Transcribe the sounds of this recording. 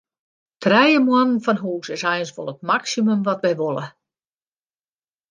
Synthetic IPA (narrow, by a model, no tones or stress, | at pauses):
tʰrɛjəmwɔnn̩fɔnɦuːsɪsɛjənsʋo̰lˠət̚maksimymʋɔtʋɛjʋolˠə